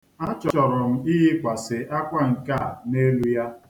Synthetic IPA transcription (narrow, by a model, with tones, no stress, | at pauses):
a˦t͡ʃɔ˨ɔ˨ɾʊ˨m̩˦i˦ɦɪ˦kʷa˨sɪ˨ʔa˦kʷa˦ŋ̩˨ka˦˨ne˦lu˦ja˦